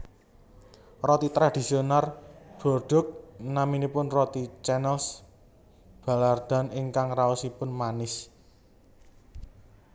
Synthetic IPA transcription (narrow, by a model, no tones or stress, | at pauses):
rɔt̪it̪ɾad̪̥i̤sionarb̥ɔ̤rɖ̥ʊ̤k̚naminipʊnrɔt̪it͡ʃɛnɛls | b̥a̤lard̪̥a̤nɪŋkaŋraɔsipʊnmanɪs